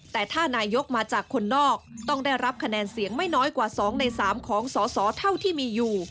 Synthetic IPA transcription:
t̪ɛː˨˩t̪ʰaː˥˩naː˧jo˦˥k̚maː˧t͡ɕaː˨˩kʰːo˧nːɔː˥˩k̚t̪ɔ˥˩ŋda˥˩jɾa˦˥p̚kʰa˧nɛː˧nsi˨˩˦əŋma˥˩jnɔː˦˥jkwaː˨˩sɔː˩˦ŋna˧jsaː˩˦mkʰɔː˩˦ŋsɔː˩˦sɔː˩˦t̪ʰa˥˩wt̪ʰiː˥˩miː˧juː˨˩

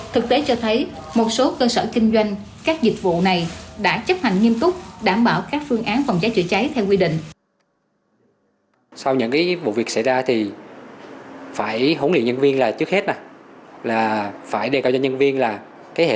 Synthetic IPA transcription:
t̪ʰɨ˨˩k̚t̪e˨˦t͡ɕɔ˧t̪ʰə˨˦jmo˨˩t̚so˨˦kəː˧səː˧˩kï˧ŋ̟zwa˧jŋ̟ | kaː˦˥k̚zï˨˩k̚vṵ˧˨na˨˩jɗa̰ː˧˥t͡ɕə˦˥t̚ha˨˩jŋ̟ŋi˧əmt̪ʊ˦˥k͡p̚ɗaː˧˩mɓaː˧˩wkaː˦˥k̚fɨ˧əŋʔaː˨˦nfa˨˩wŋ͡mt͡ɕaː˨˦jt͡ɕɨ̰˧˩ət͡ɕa˨˦jt̪ʰɛ˧wkwi˧ɗḭ̈˧˨ŋ̟ | sa˧wɲɨ̰˧˥ŋkaː˨˦jvṵ˧˨vi˨˩ək̚sa̰˧˥˩jzaː˧t̪ʰi˨˩ | faː˧˩jɦo˧˦nlḭ˧˨ŋɲə˧nvi˧ənlaː˨˩t͡ɕɨ˦˥k̚he˦˥t̚na˨˩laː˨˩faː˧˩jɗe˨˩kaː˧˨w̚zaː˧ɲə˧nvi˧ənlaː˨˩ | kaː˨˦jhḛ˧

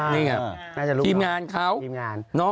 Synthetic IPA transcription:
niː˧˩ka˧ | naː˥˩t͡ɕa˨˩lu˦iː˧mŋaː˧nkʰaː˦˥˩wiː˧mŋaː˧nnɔ˦˥

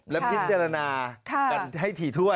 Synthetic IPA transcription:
lɛ˦˥pʰi˦˥t̚t͡ɕaː˧ɾa˧naː˧kʰːa˧˩nɦa˥˩jt̪ʰiː˨˩t̪ʰu˥˩ə

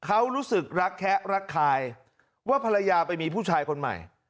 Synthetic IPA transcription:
kʰa˦˥wɾuː˦˥sɯ˨˩k̚ɾa˦˥kʰːɛ˦˥ʔɾa˦˥kʰːaː˧j | waː˥˩pʰa˧ɾa˧jaː˧pa˧jmiː˧pʰuː˥˩t͡ɕʰaː˧jkʰo˧nma̰˨˩j

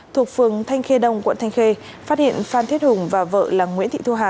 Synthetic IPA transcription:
t̪ʰu˨˩ək̚fɨ˨˩əŋt̪ʰa˧jŋ̟xe˧ɗə˧˩wŋ͡mkwə̰˧˨nt̪ʰa˧jŋ̟xe˧ | faː˦˥t̚hḭ˧˨ənfaː˧nt̪ʰi˦˥t̚hʊ˨˩ŋ͡mvaː˨˩və̰ː˧˨laː˨˩ŋŋwḭ˧˥nt̪ʰḭ˧˨t̪u˧ɦaː˧˨ʔ

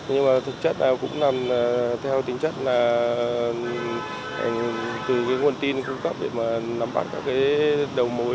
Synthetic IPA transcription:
ɲɨ˧ŋmaː˨˩t̪ʰɨ˨˩k̚t͡ɕə˦˥t̚naː˨˩wkʊ̰˧˥ŋ͡mnaː˨˩mː˨˩t̪ʰɛ˧wt̪ï˨˦ŋ̟t͡ɕə˦˥t̚laː˨˩˨ | t̪ɨ˨˩kaː˨˦jŋu˨˩ənt̪i˧nkʊ̰˧ŋ͡mkə˦˥p̚ɗḛ˧˩maː˨˩na˨˦mɓa̰˦˥t̚kaː˦˥kːaː˨˦jɗə˨˩wmo˨˦

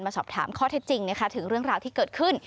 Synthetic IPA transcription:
nmaː˧sɔː˨˩p̚t̪ʰa̰ː˩˦mkʰɔː˥˩t̪ʰe˦˥t̪̚t͡ɕi˧ŋna˦˥kʰa˦˥t̪ʰɯ˩˦ŋɾɯ˥˩əŋɾaː˧wt̪ʰiː˥˩kɤː˨˩t̪̚kʰɯ˥˩n

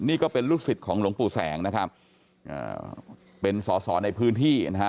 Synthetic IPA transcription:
niː˥˩kɔː˥˩pe˧nɾuː˥˩k̚si˨˩t̪̚kʰɔː˩˦ŋlu˨˩˦əŋpuː˨˩sɛː˩˦ŋna˦˥kʰɾa˦˥p̚ | ʔa̰ː˨˩ | pe˧nsɔː˩˦sɔː˩˦na˧jpʰɯː˦˥nt̪ʰiː˥˩na˦˥ka˦˥

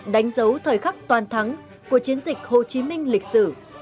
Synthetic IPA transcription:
ɗa˨˦jŋ̟zə˨˦wt̪ʰəː˨˩jxa˦˥k̚t̪waː˨˩nt̪ʰa˨˦m | ku˧˩ət͡ɕi˨˦ənzï˨˩k̟̚ho˨˩t͡ɕi˨˦mï˧ŋ̟lï˨˩k̟̚sɨ˧˩

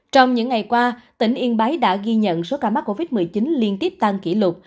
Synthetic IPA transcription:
t͡ɕɔ˧wŋ͡mɲɨ̰˧˥ŋːa˨˩jkwaː˧t̪ï˧˩ŋ̟ʔi˧ənɓa˨˦jɗa̰ː˧˥ɣi˧ɲə̰˧˨nso˨˦kaː˧˩ma˦˥k̚kːo˧vi˦˥t̚mɨ˨˩jt͡ɕi˨˦nli˧ənt̪i˦˥əp̚t̪a˧ŋkḭ˧˩lʊ˨˩t̚

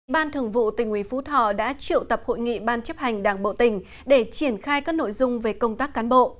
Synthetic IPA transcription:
ɓaː˧nt̪ʰɨ˧˩əŋvṵ˧˨t̪ï˨˩ŋ̟hwi˨˦fu˨˦t̪ʰɔ̰˧˨ɗa̰ː˧˥t͡ɕḭ˧˨əwt̪ə˨˩p̚ho̰˧˨jŋḭ˧˨ɓaː˧nt͡ɕə˦˥p̚ha˨˩jŋ̟ɗaː˧˩ŋɓo̰˧˨t̪ï˧˩ŋ̟ | ɗe˧˩t͡ɕi˧˩ənxaː˧jkaː˦˥k̚no̰˧˨jzʊ˧ŋ͡mve˨˩kə˧wŋ͡mt̪aː˦˥kːaː˨˦nɓo̰˧˨

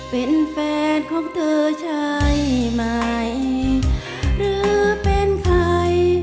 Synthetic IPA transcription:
pe˨˩nfɛː˧nkʰɔ˧˥ŋt̪ʰəː˧t͡ɕʰa˧jma˧j | ɾɨː˧˦pe˧˥nkʰa˧j

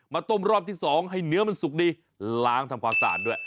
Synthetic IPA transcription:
maː˧t̪o˧˩mɾɔː˥˩p̚t̪ʰiː˥˩sɔː˩˦ŋɦa˧˥˩jnɯ˦˥ɐma˧nsu˨˩k̚diː˧ | laː˦˥ŋt̪ʰa˧mkʰwaː˧msa̰ː˨˩t̪̚duː˥˩əj

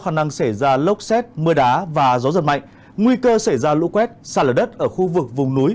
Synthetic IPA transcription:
xaː˧˩ŋna˧ŋsa˧˩jzaː˧lə˦˥wk͡p̚sɛ˦˥t̚mɨ˧əɗaː˨˦vaː˨˩zɔ˨˦zə˨˩nma̰˧˨jŋ̟ | ŋwi˧kəː˧sa˧˩jzaː˧lṵ˧˥kwɛ˦˥t̚saː˧˩ləː˨˩ɗə˦˥t̚ʔəː˧˩xu˧vɨ˨˩k̚vʊ˨˩ŋ͡mnu˨˦j

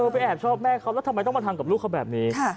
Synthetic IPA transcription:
ɤː˧pa˧jʔɛː˨˩p̚t͡ɕʰɔː˥˩p̚mɛː˥˩kʰa˦˥wlɛː˦˥t̪ʰma˧jt̪ɔ˥˩ma˧t̪ʰaː˧ŋka˨˩luː˥˩kʰa˦˥wbɛː˨˩p̚niː˦˥˩

